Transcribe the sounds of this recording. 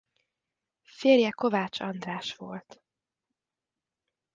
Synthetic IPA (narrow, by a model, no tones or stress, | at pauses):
feːrjɛko̞vaːt͡ʃɒnd̪raːʃʋo̞̰lt̪